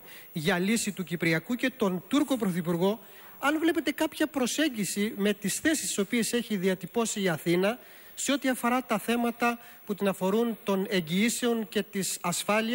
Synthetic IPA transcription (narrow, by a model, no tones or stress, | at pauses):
ʝɐlisit̪ucipɾiɐkuce̞t̪o̞nt̪uɾko̞pɾo̞θipuɾɣo̞ | ɐnvle̞pe̞t̪e̞kɐpçɐpɾo̞se̞ɲɟisime̞t̪isθe̞sist̪i̥so̞pie̞se̞çiðiɐt̪ipo̞siːɐθinɐ | se̞ot̪iɐfo̞ɾɐt̪ɐθe̞mɐt̪ɐ | put̪inɐfo̞ɾunt̪o̞ne̞ɲɟiise̞o̞nce̞t̪isɐsfɐli